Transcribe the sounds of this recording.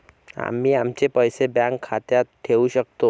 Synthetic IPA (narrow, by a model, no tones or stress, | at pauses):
a̰mːiːamt͡ɕepəjsebjãŋkʰːat̪jat̪ʈ̪ʰːeuɕək̚t̪o